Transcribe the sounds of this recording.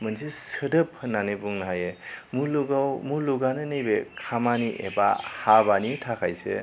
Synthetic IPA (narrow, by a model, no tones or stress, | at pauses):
mɯnsesɯdɯp̚hɯnːanebuŋnaɦajemuluɡawmuluɡanɯnɯjbekʰamaniʔḛba̰habanitʰakʰajsḛ